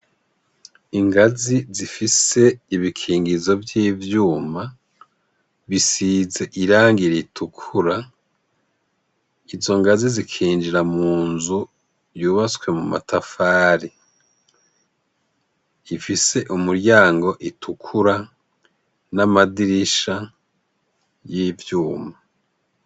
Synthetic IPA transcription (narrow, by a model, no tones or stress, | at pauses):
iŋɡazizifise̞iβikʰiːŋɡizo̞vjiːvjuːma | βisize̞ʔiɾaːŋɡiɾeitʰukʰuɾa | izo̞ŋɡazizikʰiːnd͡ʒiɾamuːnzu | juːβat͡skwe̞muma̰tʰafaːɾi | ifise̞ʔumuɾɟaːŋɡo̞ʔitʰukʰuɾa | namadiɾiʃa | jiːvjuːma